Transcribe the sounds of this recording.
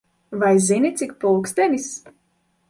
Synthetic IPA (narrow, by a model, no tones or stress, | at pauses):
vajzinʲit̪sʲik̚pulˠksd̪ʲɛnʲis